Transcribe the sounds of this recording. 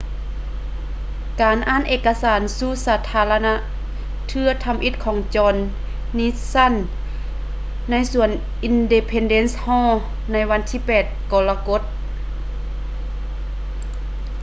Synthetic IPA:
kaː˨˩nʔaː˧˥˨nʔeː˧˩kːa˧saː˨˦nsu˧˥˨saː˧t̪ʰaː˧˦la˧na˧˥ʔ | t̪ʰɯ˧ɐt̪ʰa˧mʔi˧˦t̪̚kʰɔː˨˩˦ŋt͡ɕɔː˧nː | iː˧˥sa˧˥˨n | a˧˥˨jsu˧˩ən | ʔi˧nde˧pʰe˧nde˧˥˨nshɔː˧˥˨ | na˧˥jwa˧nt̪ʰiː˧˨pɛː˨˩t̪̚kɔː˧la˧ko˧˥t̪̚

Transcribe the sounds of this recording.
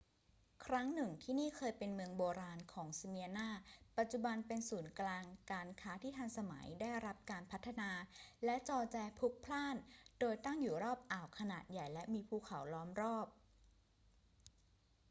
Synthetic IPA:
kʰɾa˦˥ŋnɯ˨˩ŋt̪ʰiː˥˩niː˥˩kʰɤː˧jpe˧nmɯ˧əŋboː˧ɾaː˧nkʰɔː˩˦ŋsa˧mi˧ə˧naː˥˩pa˨˩t̪̚t͡ɕu˨˩ba˧npe˧nsuː˩˦nklaː˧ŋkaː˧nkʰaː˦˥t̪ʰiː˥˩t̪ʰa˧ŋsa˧ma̰˩˦jdaː˥˩jɾa˦˥p̚kaː˧npʰa˦˥t̪ʰːa˧naː˧lɛ˦˥ʔt͡ɕɔː˧t͡ɕɛː˧pʰu˦˥k̚pʰlaː˥˩ndoː˧jt̪a˥˩ŋjuː˨˩ɾɔː˥˩p̚ʔaː˨˩wkʰa˧naː˨˩t̪̚ja˨˩jlɛ˦˥ʔmiː˧pʰuː˧˩kʰa˩˦wlɔː˦˥mɾɔː˥˩p̚

